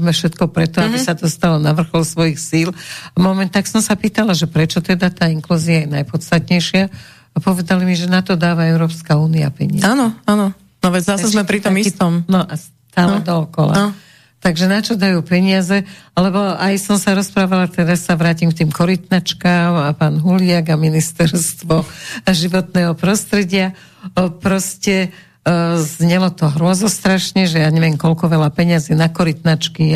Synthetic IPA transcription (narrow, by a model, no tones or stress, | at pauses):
mɛfʃɛt̪kɔpɾɛt̪ɔabisad̪ɔst̪alɔnaʋr̩xɔlsʋɔjixsiːlmɔmɛnt̪aksɔmsapiːt̪alaʒɛpɾɛt͡ʃɔt̪ɛd̪at̪aːiŋkluːziajɛnajpɔt̪st̪at̪ɲɛjʃɪaː | pɔʋɛd̪alimiʒɛnat̪ɔd̪aːʋaɛʊɾɔːpskauːnia̰pɛɲɪaanɔanɔ | nɔʋɛzasɛzmɛpɾit̪ɔmit̪ɔmnɔʔas | t̪aːllɛd̪ɔɔkɔla | t̪aɡʒɛnat͡ʃɔd̪ajuːpɛɲɪazɛlɛbɔajsɔmsaɾɔspɾaːʋalat̪ɛɾasːaʋɾaːcimk̚t̪iːmkɔɾit̪nat͡ʃkaːmapaːnɦulɪaɡaminist̪ɛɾst̪ʋɔaʒiʋɔt̪nɛːɦɔpɾɔst̪ɾɛɟɪa | pɾɔscɛ | zɲɛlɔt̪ɔɦɾʊɔzɔst̪ɾaʃɲɛʒɛjaːɲɛʋɪɛmkɔlkɔʋɛlapɛɲɪaziːnakɔɾit̪nat͡ʃki